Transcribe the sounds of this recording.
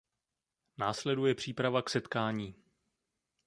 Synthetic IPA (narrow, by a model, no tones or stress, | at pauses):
naːslɛdujɛpr̝̥iːpɾavaksɛt̪kaːɲiː